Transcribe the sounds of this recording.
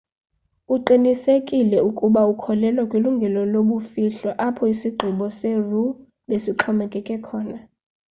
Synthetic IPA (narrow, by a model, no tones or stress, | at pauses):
uǃinisekʼilɛukʼuɓaukʰɔlɛlwakʼwiluŋɡʱɛlɔloɓufiɬɔʔapʰɔisiɡ͡ǃʱiɓɔseru | ɓesiǃʰɔmɛkʼɛkʼɛkʰɔːna